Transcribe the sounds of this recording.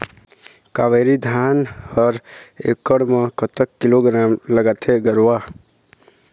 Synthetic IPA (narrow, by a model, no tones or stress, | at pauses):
kaʋeɾid̪ʱaːnhəɾekːəɽmãkət̪ʰəkːɪloɡɾaːmləɡaːt̪ʰeɡəɾwa